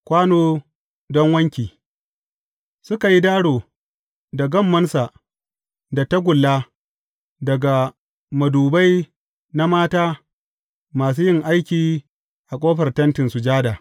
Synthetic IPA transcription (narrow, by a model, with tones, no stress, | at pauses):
kʷaː˦noː˦ | dɔ˦ŋwɐ˦ŋkʲiː˨ | sʊ˦ka˨ji˦daː˦ɽoː˨ | da˨ɡɐ˦˨mːɐ˦nsa˨ | da˨ta˦ɡʷʊ˨lːaː˦ | dɐ˨ɡa˨ | mɐ˨duː˨ba˦j | na˦maː˦taː˦ | maː˨s̬uː˦jɪ˦ŋʔa˦jkʲiː˨ | ʔa˨kʷʼoː˦ɸɐ˨rtɐ˦ntɪ˨nsu˨d͡ʒaː˦da˨